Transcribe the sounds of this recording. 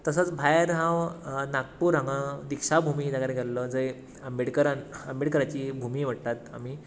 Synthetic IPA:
t̪əsət͡sbʱajɾɦãwnak̚puːɾɦãŋɡãd̪ikʂabʱumid͡zaɡaɾeɡʱɛlləd͡zəj | əmbeɽkəɾanəmbiɽkəɾat͡ɕiːbʱumiːʋ̤əɽt̪at̪a̰miː

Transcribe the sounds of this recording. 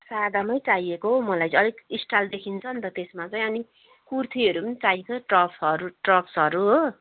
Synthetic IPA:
sad̪ʱamʌjt͡sajekoɦomʌlajʌlikisʈald̪ekʰint͡sʰʌnt̪ʌt̪esmat͡sʌj̃ʌni | kurt̪ʰiɦʌɾupʌnit͡sajkoʈrʌpsʌɾuʈrʌpsɦʌɾuɦo

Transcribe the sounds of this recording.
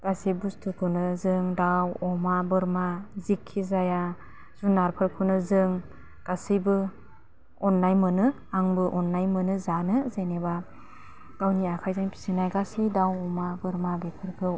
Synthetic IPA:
ɡ̥asibustʰɯkʰɯnɯzɯŋdawɔmabɯɾmazikʰːizaja | z̥unːaɾpʰɯɾkʰɯwnɯzɯŋ | ɡ̥asijbɯ | ɔnːajmɯnɯ | aŋbɯʔɔnːajmɯnɯzanɯzeneba | ɡ̥awniakʰajzaŋpʰi̥sinajɡasidawɔmabɯɾmabepʰɯɾkʰɯ

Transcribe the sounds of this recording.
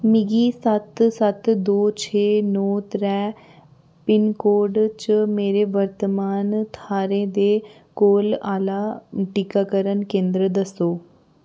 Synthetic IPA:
mɪɡiːsət̪sət̪d̪oːt͡ʃʰeːnɔːt̪ɾɛː | pɪnkoːɾɖt͡ʃəmeːɾeːʋəɾt̪əmaːnt̪ʰaːɾẽːd̪eː | koːlaːlaːʈikaːkəɾənkẽːnd̪ɾəd̪əsoː

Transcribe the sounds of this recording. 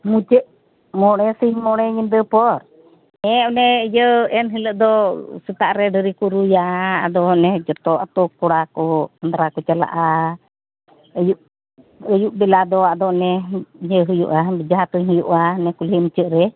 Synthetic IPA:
mut͡ʃəʔ | mɔɽɛsihmɔɽɛɲind̪əpɔɾ | ɛʔɔnɛəjəɛnɦiləʔd̪ɔsət̪aʔɾɛɖəɾikuɾujaad̪ɔnɛd͡ʒɔt̪ɔʔat̪ɔkːɔɽakɔsand̪ɾakɔt͡ʃala̰ʔa | əjuʔ | əjuʔbɛlad̪ɔad̪ɔʔnɛjəɦujṵʔabid͡ʒaɦat̪uɲɦujuʔanɛkulimut͡ʃəʔɾɛ

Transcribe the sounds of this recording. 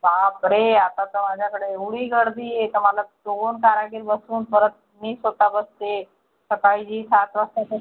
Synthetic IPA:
babɾeat̪at̪əmad͡ʑʱjakəɽeːʋɽiːɡəɽd̪iːɦet̪əm̤alat͡sonkaɾaɡiːɾbəsuːnpəɾət̪̚miːsɦot̪abəst̪e | səkaid͡ʑiːsat̪ʋast̪at̪e

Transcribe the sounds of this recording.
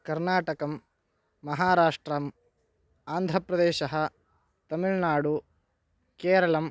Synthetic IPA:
kɐɾnaːʈɐkɐmː | ɐɦaːɾaːʂʈɾɐm | aːnd̪ʱɾɐpɾɐd̪eːʃɐɦɐ̆ | t̪ɐmiɭnaːɽu | keːɾɐɭɐm

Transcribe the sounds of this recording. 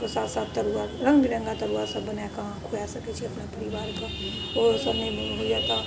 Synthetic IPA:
kosaːt̪saːt̪ːɐɾuaɾɐ̃ŋɡbiɾɐ̃ŋɡat̪ɐɾuasɐbːɐnakaãkʰojasɐket͡ʃʰiɐpnapɐɾiʋaːɾka | osɐbnemẽɦojaka

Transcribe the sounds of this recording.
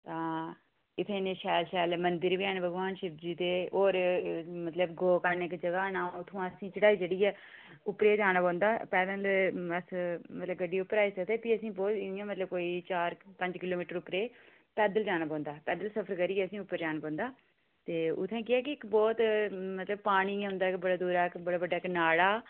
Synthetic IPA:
t̪ãː | ɪt̪ʰːẽːneʃɛːlʃɛːlmənd̪ɪɾʋɪɛːnbʱəɡʋaːnʃɪpd͡ʒiːt̪eːoːɾmət̪ləbɡoːkəɾnɪkd͡ʒəɡaːnãːʊt̪ʰːõːãːəsĩːt͡ʃəɽaːiːd͡ʒəɽiːɛː | ʊpɾeːd͡ʒaːnãːpɔ̃ːnd̪aːpɛːd̪əːləsmət̪ləbɡəɖiːʊpːəɾaːiːsəkd̪eːpiːəsĩːbɔːt̪ɪijãːmət̪ləb̚koːiːt͡ʃaːɾpə̃ɲd͡ʒkɪloːmiːʈəɾʊpɾeː | pɛːd̪əld͡ʒaːñaːpɔ̃ːnd̪aːpɛːd̪əlsəpʰəɾkəɾiːɛːəsĩːʊpːəɾd͡ʒaːnaːpɔ̃ːnd̪aː | t̪eːʊ̰t̪ʰːẽːkɪɛːk̬ɪɪkbɔːt̪mət̪ləbpaːɽ̃iːɦʊnd̪aːkbəɽaːd̪uːɾaːkbəɽaːbəɖaːknaːɽaː

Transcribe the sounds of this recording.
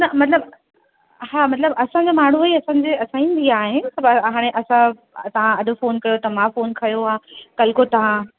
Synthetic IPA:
nɐmɐt̪ləb | haːmɐt̪ləbɐsãɲd͡ʑamaːɳ̤uɐiɐsãːɲd͡ʑeɐsãĩːn̆d̪iaːɦesɐbɦaːɽ̃eʔɐsã | t̪ɐʋ̤ãɐɗʊ̆foːnkɐjot̪ɐmãfoːnkɐjoaːkɐlkot̪ɐʋ̤ã

